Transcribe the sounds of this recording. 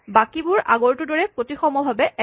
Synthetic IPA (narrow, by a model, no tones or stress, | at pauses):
bakibʊɹaɡɔɹtudɔɹɛpotixɔmɔbʱabɛʔɛ